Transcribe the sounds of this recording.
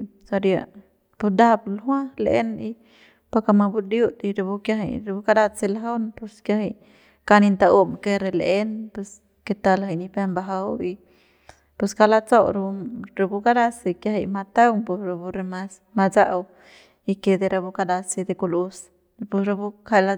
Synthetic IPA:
sa˧ɾja˧ | pu˧d̪a˦blɦwã˦lḛ˦ni˧ | pa˧ka˧ma˧bu˧d̪ju˦t̪i˧ɾa˧bu˧kja˧ɦe˧jɾa˧bu˧ka˧d̪a˧t͡se˧laɦa˦wnpu˧skjahe˧j | ka˧ni˧nt̪a˧u˦mke˧ɾe˧le˦npwe˧s | ke˧t̪a˧laha˧˨ni˧pe˧mba˧ɦa˧wi˧ | pe˧ska˧la˧t͡so˦wɾɾa˧bu˧ka˦d̪a˦si˧kja˧ɦe˧jma˧t̪a˦wŋpu˧sɾa˧bu˧ɾe˧mas | ma˧t͡sa˦ʔw | i˧ke˧d̪e˧ɾa˧bu˧ka˧d̪a˧se˧d̪e˧ku˧lu˧s | pu˧sɾa˧bu˦ka˧la˧

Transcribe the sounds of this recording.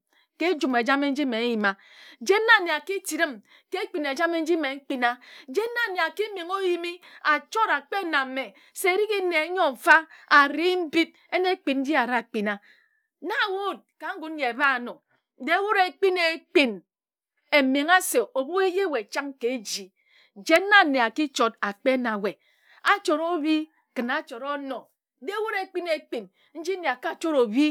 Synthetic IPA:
ke˦d͡ʒu˨me˨d͡ʒa˦me˦n̩˦d͡ʒi˦me˨˦ji˨ma˨ | d͡ʒe˦na˦˨ne˨a˨ki˦ti˨ɾɨ˦m | ke˦k͡pi˨ne˨d͡ʒa˦me˦n̩˦d͡ʒi˦me˨ŋ̩˦k͡pi˦na˦d͡ʒe˦na˦ne˨a˨ki˦me˨ŋo˦ji˦mi˦a˨t͡ʃo˦ɾa˨k͡pe˦na˨˦me˨ | se˦˨ɾi˦ki˦ne˨˦ɲo˦˨fa˦a˨ɾi˦m̩˦bi˦p̚ | e˦ne˦k͡pi˨nn̩˦di˦a˨ɾa˦˨k͡pi˨na˨ | na˦˨wo˦˨d̚ka˨˦ŋ̩˦ɡu˨˦n̩˦ɲe˨ba˦a˨nɔ˨˦ | de˦wo˦ɾe˨˦k͡pi˦ne˨˦k͡pi˦n | e˨me˨ŋa˦se˨o˨bu˦e˦je˦˨we˨t͡ʃa˦ŋ˦ke˨e˦d͡ʒi˨ | d͡ʒeː˦a˦˨ne˨a˨ki˦t͡ʃo˨ta˨k͡pe˦na˨we˨ | a˦t͡ʃo˨ɾo˦bi˦ | kɨ˨na˨˦t͡ʃo˨ɾɔ˦nɔ˨˦ | de˦wo˦ɾe˦k͡pi˦ne˨k͡pi˨n | n̩˦d͡ʒi˦ne˨a˨ka˦˨t͡ʃo˦ɾo˨bi˦

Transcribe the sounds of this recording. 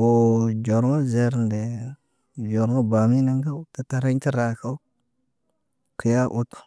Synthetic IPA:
wo˨d͡ʒo˨ɾŋo˦ze˨ɾnde˨ | d͡ʒo˨ɾŋo˦ba˨mi˦na˦ŋɡa˦wta˨ta˨ɾa˦ɲ˦ti˦ɾa˨ka˦u˦ | ki˨ja˦ʔu˦t

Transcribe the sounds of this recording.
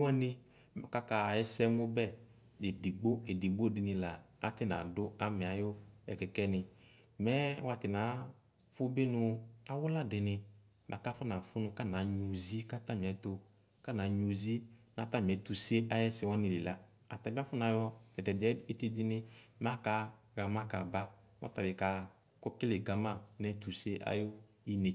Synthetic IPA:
wɔ˦nɪ˧ | m˨ka˦ka˨jɛ˦sɛ˦mʊ˦bɛ˦˨ | e˨di˨ɡ͡bo˦e˨di˨ɡ͡bo˦˨dɪ˨nɪ˨la˨a˨tɪ˦na̰˨dʊ˦a˦mɪ˨a˨jʊ˦ɛ̰˨kɛ˨kɛ˦nɪ˨ | mɛ˦wa˨tɪ˨naː˨˦ | fʊ˦bɪ˦nʊ˦a˨wʊ˦la˦˨dɪ˨nɪ˧ | ma˨ka˦fʊ˦na˨fʊ˦nʊ̃˧ka˦˨na˨ɲu˨zi˦ka˦ta˦˨m˨ɛ˨t̪o˨ | ka˦˨na˨ɲu˨zi˦na˨ta˦˨m˨ɛ˨˦tu˨se˦a˨jɛ˦sɪ˨˦wɔ˦nɪ˨lɪ˨la˦ | a˨ta˨bi˦a˦fʊ˦n˨a˨jɔ̥˦ɛ˨dɛ˨bɛ˦e˦te˧dɪ˦nɪ˦m˦a˦ka˧ | ɣa˨ma˦ka̰˨ba˦ | wɔ̰˦ta˨bɪ˨ka˨˦ | kʊ˦kɪ˦lɪ˨ɡa˨ma˦˨nɛ˦tu˨se˦ʔa̰˦jo˦ | i˦ne˨

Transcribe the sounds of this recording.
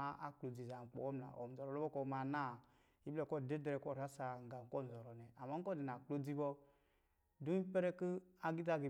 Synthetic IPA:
a˦a̰˨k͡plo˨d͡zi˨za˨k͡pɔ̰˨wɔ˦m˨na̰˨ʔo̰˨m̩˨zɔ˨ɾɔ˨lo˦bɔ˦kɔ˦˨ma˨na˦˨ | i˦blɛ˦˨kɔ˦˨de˦dɾɛ˨kɔ˦˨ɾa˨˦sa˨ŋ̩˨ɡa˨m˨kɔ˦˨n̩˨zɔ˨ɾɔ˨nɛ˨a˨ma˦ŋ̩˦kɔ˦˨di˨n˨a˨k͡po˦d͡zi˦bɔ˦ | du˦i˦pɛ˦ɾɛ˦kɨ˦a˨ɡi˦ta˦ɡi˨

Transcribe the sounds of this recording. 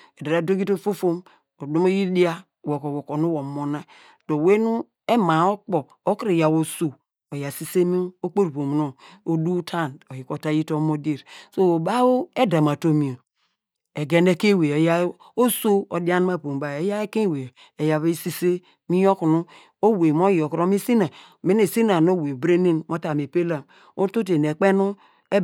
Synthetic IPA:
e˨da˨ɾa˨˦do˦ɡi˦to˦fo˦fo˦m | o˨do˦mo˦ji˦di˦a˦˨ | wo˨ko˨wo˨ko˨nu˦wo˨mo˨na˦ | d̥o˨we˦nu˦ | e˦ma˨o˦k͡po˨ | o˦ki˦ɾe˨ja˨wo˨so˨ | o˨ja˨si˦se˦mi˦o˦k͡po˦ɾpo˨m˨no˨o˨du˦tʰa˦no˨ji˨ko˨ta˦ji˦to˦mo˦de˦˨ɾso˦o˨ba˦wo˦e˦da˨m˨a˨to˦mi˨o˨ | e˨ɡe˦ne˦ke˦we˨ja˦ | o˦so˦o˨da˦n˦ma˦˨po˨m˨ba˨e˨ja˦e˦ke˦we˨ | e˨ja˨βe˦si˦se˦ | mi˦jo˦ku˨nu˦ | o˦we˨m˦o˦jo˨kɾo˦mi˦si˦na˨ | me˦ne˨si˦na˨no˦we˨bɾe˦ni˦nmo˦ta˨me˨pe˦la˨m | o˦to˦t̬e˨n˨e˨k͡pe˦nu˦ | e˦

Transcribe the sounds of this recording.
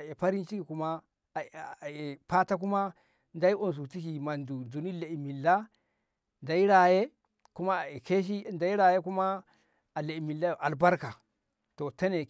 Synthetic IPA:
e˨pa˦ɾi˦nt͡ʃi˦ki˨ku˦ma˦˨ | e˨pa˦ta˦k̬u˦ma˦ | nda˦i˦o˨ns̬u˨ti˦ki˨ma˨ndu˨n˨u˨ni˦le˨i˨mi˨lːa˦ | nda˨i˦ɾa˨je˦ | ku˦ma˦˨e˨ke˦ʃ̬i˦nda˨i˦ɾa˨je˦ku˦ma˦ | a˨le˨i˨mi˨la˦jʔa˨lba˦ɾka˨ | to˨ta˦ne˨

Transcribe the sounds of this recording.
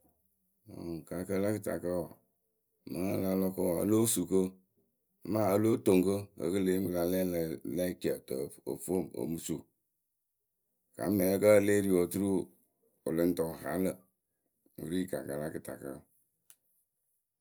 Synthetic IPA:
o̰˨ka˨kə˦la˦kɨ˨ta̰˨kə˦ɔ˨ | mə˨˦ŋa˦la˦lɔ˦kə˦wɔ˨a̰˦lo˦su˨kə˦ | ma˦ə˦lo˦to˨ŋkə˦ə̰˨kə˦le˦mə˨la˨lɛ˦llɛ˦ki˨ə˨tə˨o̰˨fo˦˨mo̰˨mu˦su˨ | ka̰˨˦mːɛ˨lɛ˦kə˦˨le˦ɾi˨wo˨tu˦ɾu˦ | o˨lɨ˦n˦tɔ˨ha˨˦lə˨ | ṵ˨ɾi˦˨ka˨kə˨la˦kɨ˨ta˨kə˦˨

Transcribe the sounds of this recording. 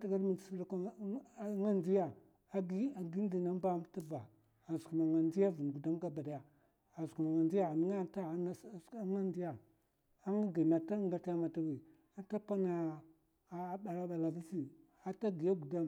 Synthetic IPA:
ta˦˨ɡa˦ɾmi˨si˦lka˦ | ŋa˦nd͡ʒi˦ja˨ | a˦ɡi˦a˨ɡi˦n˦di˨na˦m˦ba˦m˦ta˦va̰˨ | a˨sku˨ma˨ŋa˨nd͡ʒi˦ja˦vu˨n˨ɡu˨da˦mɡa˦ba˨da˨ja˨ | a˨su˨ma˨ŋa˨nd͡ʒi˦ja˦˨n˦ŋa˦a˦˨˦n˦˨a˦ŋa˦nd͡ʒi˦ja˨ | a˦ŋa˦ɡi˨na˨ta˦ŋɡa˦tja˦ma˨ta˦wi˨ | a˦ta˦pa˦na˨˦˨ | ɓa˨ɾa˦ɓa˨la˨vi˦si˦ | a˦ta˦ɡi˨ja˦ɡu˨da˦m

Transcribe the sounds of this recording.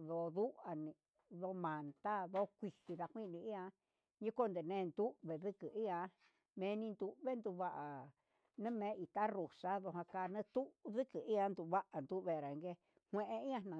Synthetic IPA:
ðo˧˨ðu˦a˨nĩ˧ | ðo˧˦mã˨nt̪a˦ðo˦kʷi˧hi˧ða˧hʷĩ˦˧nĩ˧i˦a˧ | ɲĩ˦ko˦nd̪e˨nẽː˧nd̪u˦βe˨ðɨ˦kɨ˨ʔi˦ã˧˦ | mẽ˧˦˧nĩ˧nd̪u˧βe˦nd̪u˧βa˦ʔa˨ | nɨ̃˦mẽː˨˦ʔi˨t̪a˦ɾu˨sa˦ðo˧ɦã˧kaː˧nẽ˦t̪u˦ʔðɨ˦kɨ˨ʔi˦ã˧˦nd̪u˧βa˦ʔa˨nd̪u˦βe˧ɾa˨˧ŋɡe˧ | hʷẽ˧ʔe˧i˦ã˧nã˨

